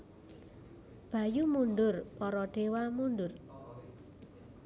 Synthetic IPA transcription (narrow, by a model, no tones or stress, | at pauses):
b̥a̤jumunɖʊrpɔɾɔɖ̥e̤wamunɖʊr